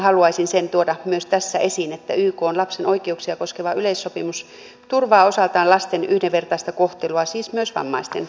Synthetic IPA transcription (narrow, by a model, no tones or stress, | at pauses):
hɑluɑisinsent̪uot̪ɑmyøst̪æsːæʔesinet̪ːæ̰yːkoːnlɑpsenoikeuksiɑkoskeʋɑyleisːopimus | t̪urʋɑːosɑlt̪ɑːnlɑst̪enyhdeʋʋert̪ɑist̪ɑkoht̪eluɑsiːsmyøsʋɑ̰mːɑ̰ist̪ḛn